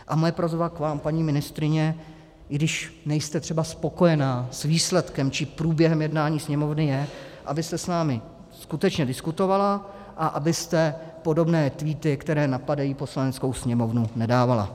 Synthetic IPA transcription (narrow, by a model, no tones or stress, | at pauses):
ʔamojɛpɾozvakvaːmpaɲiːmɪnɪst̪ɾɪɲɛ | ɡdɪʃnɛjst̪ɛt̪r̝̥ɛbaspo̞ko̞jɛnaːsviːslɛt̪kɛmt͡ʃɪpɾuːbjɛɦɛmjɛdnaːɲiːsɲɛmo̞vnɪjɛʔabɪst̪ɛsnaːmɪ | skut̪ɛt͡ʃɲɛdɪskut̪o̞vala | ʔaʔabɪst̪ɛpo̞do̞bnɛːt̪viːt̪ɪkt̪ɛɾɛːnapadajiːpo̞slanɛt͡sko̞wsɲɛmo̞vnunɛdaːvala̰